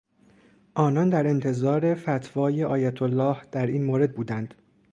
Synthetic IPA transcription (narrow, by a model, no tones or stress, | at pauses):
ʔɒːnɒnd̪æɾe̞nt̪ʰe̞zɒːɾe̞fæt̪ʰvɒːje̞ʔɒːjæt̪ʰolːɒːhd̪̥æɾiːnmoːɾe̞d̪̚buːd̪ænd̪̥